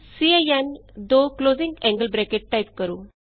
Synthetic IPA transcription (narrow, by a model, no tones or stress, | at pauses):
siejand̪oklozĩŋɡɛ̃ŋɡəlbɾekeʈʈajp̚kəɾuː